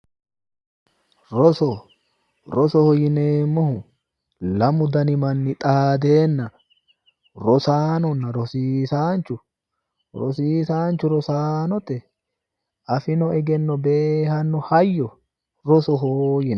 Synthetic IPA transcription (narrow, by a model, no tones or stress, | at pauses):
ɾɔsɔ | ɾɔsɔhɔjɪneːmːɔhʊ | lɐmʊd̪ɐnɪmɐnːɪt̪ʼaːd̪e̞ːnːɐ | ɾɔsaːnɔnːɐɾɔsiːsaːnt͡ʃʊ | ɾɔ̰siːsaːnt͡ʃːʊɾɔsaːnɔt̪ɛ | ʔɐfɪnɔɛɡɛnːɔbeːhɐnːɔhɐjːɔ | ɾɔsɔɦoːjɪn